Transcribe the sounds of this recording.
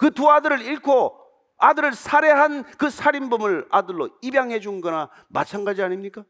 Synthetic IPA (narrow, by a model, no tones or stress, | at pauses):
kɯtuadɯɾɯɾiɭkʰo | adɯɾɯɭsʰaɾe̞ɦankɯsʰaɾimbɯmɯɭadɯɭːoibjaŋɦe̞d͡ʑuɯnɡʌna | ma̰t͡ɕʰanɡad͡ʑiaɲimɲik͈a